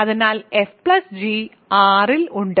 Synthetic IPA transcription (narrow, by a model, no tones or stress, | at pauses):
ɐðinaːlefplɐsd͡ʑi | aːriluɳɖɨ